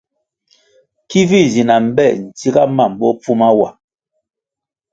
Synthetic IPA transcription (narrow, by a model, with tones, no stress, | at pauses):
ki˦vi˦˨zi˨na˨m̩˨bɛ˦˨n̩˨ti˦ɡa˦ma˦˨m̩˨bɔ˦pu˦ma˦wa˨